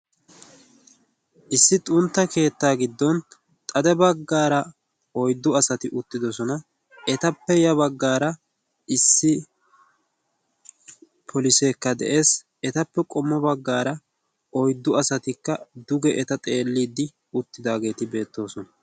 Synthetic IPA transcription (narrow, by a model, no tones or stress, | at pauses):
ʔɪsːɪt̪ʼʊnt̪ːɐke̞ːt̪ːaːɡɪd̪ːɔn | t̪ʼɐd̪ɛbɐɡːaːɾɐ | ɔjd̪ːʊɐsɐt̪ɪʔʊt̪ːɪd̪ɔsɔnɐ | ɛt̪ɐpːɛjɐβɐɡːaːɾɐ | ɪsːɪ | pʰɔlɪseːkːɐd̪ɛ̰ʔe̞ːs | ɛt̪ɐpːɛkʼɔmːɔbɐɡːaːɾɐ | ɔjd̪ːʊɐsɐt̪ɪkːɐd̪ʊɡɛʔɛt̪ɐt̪ʼe̞ːlːiːd̪ɪ | ʊt̪ːɪd̪aːɡe̞ːt̪ɪbe̞ːt̪ːo̞ːsɔnɐ